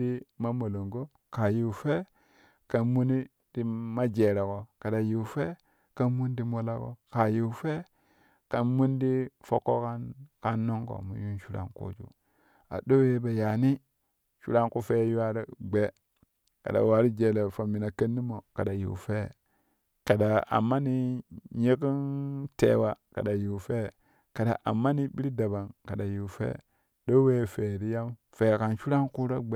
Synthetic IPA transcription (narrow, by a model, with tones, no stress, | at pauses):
i˦ma˦mo˨lo˨ŋɡo˦ | ka˨ji˨fe˦ | ka˨nmu˦ni˦ | di˦ma˦d͡ʒe˨ɾe˨ko˨ka˨da˨ji˨u˨fe˦ | ka˦nmu˦n˦di˦mo˦la˦ko̰˨ka˨ji˨u˨fe˦ | ka˨nmu˦ndi˦fo˦kːo˦ka˦nka˦nːo˦ŋɡo̰˨mṵ˨ju˦nʃu˦ɾa̰˦ŋko̰˦d͡ʒṵ˦ | a̰˨ɗo˦we˦ba˨ja˨ni˦ | ʃṵ˦ɾa˦ŋku˦fe˦ju˦a˦ɾa˦ɡ͡be˦ | ka̰˨da̰˨wa˨ɾi˦d͡ʒe˨le˨fo˨mi˨na˨ke˦nːi˦mo˨ka˨da˨jḭ˨fe˦˨ | ka˨da˨a̰˨mːa˦ni˦ɲe˦ki˦ntḛ˦wa˦ka̰˨da˨ji˨fe˦˨ | ka˨da̰˨ʔa̰˨mːa˦ni˦bi˦ɾi˦da˨ba˨ŋka˨da˨ju˨fḛ˦ | ɗo˦we˦˨fe˨ɾi˦ja˦m | fe˨ka˨nʃu˦ɾa˦ŋku˦ɾo˦ɡ͡be˦